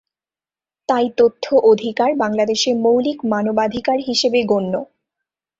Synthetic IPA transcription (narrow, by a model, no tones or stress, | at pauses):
t̪ajt̪ot̪ʰːoʔod̪ʱikaɾbaŋlad̪eʃemowlikmanobad̪ʱikaɾɦiʃebeɡonːo